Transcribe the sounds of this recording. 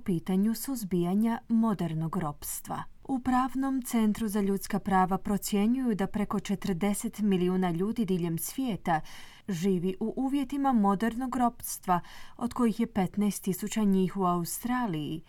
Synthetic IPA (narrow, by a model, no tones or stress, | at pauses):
piːt̪aɲusuzbijaɲamo̞d̪eɾno̞ɡɾo̞pst̪ʋa̰ | upɾaːʋno̞mt̪se̞nt̪ɾuzaʎut̪skapɾaːʋapɾo̞t̪sje̞ɲujud̪apɾe̞ko̞t͡ʃe̞t̪əɾd̪e̞set̪miliuːnaʎuːd̪id̪iːʎe̞msʋjeːt̪a | ʒiːʋiʔuʔuːʋje̞t̪imamo̞d̪eɾno̞ɡɾo̞pst̪ʋao̞d̪̥ko̞jixje̞pe̞t̪naest̪ːisut͡ɕaɲiːxuaust̪ɾaːliji